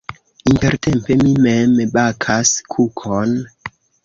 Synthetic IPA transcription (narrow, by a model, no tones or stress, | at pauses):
inte̞ɾtʰempe̞mimembakʰaskʰukʰon